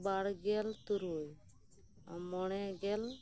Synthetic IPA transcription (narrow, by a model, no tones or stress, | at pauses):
baɽɡɛlt̪uɾuj | mɔɽɛɡɛl